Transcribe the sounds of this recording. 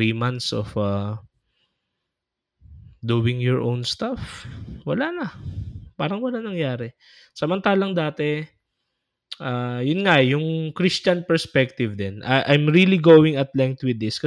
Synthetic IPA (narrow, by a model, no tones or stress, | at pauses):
imant̪sɔ̰fa | d̪uːwɪŋjɔɹʔo̰wnst̪afwɐlanɐpaːɾɐŋwɐlanɐŋjaːɾɛ | sɐmɐnt̪aːlɐŋd̪aːt̪ɛ | ʔaːjʊnŋaʔjʊŋkɾist͡ʃɐnpɛɹspɛk̚t̪ɪvd̪ɛnʔɐʔajmɹiliɡoːwɪŋɐt̪lɛŋk̚t̪wɪd̪ːɪskɐ